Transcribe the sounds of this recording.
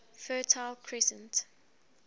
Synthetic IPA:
fɜːtʰaɪlkʰɹɛsə̃nt

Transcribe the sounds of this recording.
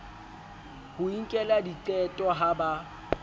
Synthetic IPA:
hʊiŋ̩kʼɛladit͡ɬʼɛtʼɔɦaba

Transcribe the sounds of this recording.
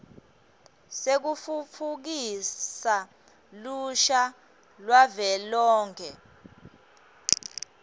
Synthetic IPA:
sek̬ufufʰuk̬isa | luʃa | lwavɛlɔːŋkʰɛ

